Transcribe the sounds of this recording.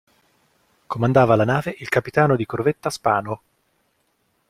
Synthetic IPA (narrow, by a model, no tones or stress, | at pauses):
komand̪aːvalanaːveʔilkapit̪aːnod̪ikorvet̪ːaspaːno